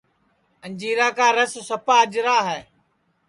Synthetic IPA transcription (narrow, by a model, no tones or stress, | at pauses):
ənd͡ʒiːɾaːkaːɾesosəpaːəd͡ʒɾaːɦɛː